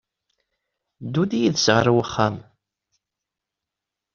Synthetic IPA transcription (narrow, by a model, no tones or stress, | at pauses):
d̪ud̪ijiðsʁəɾwəχːam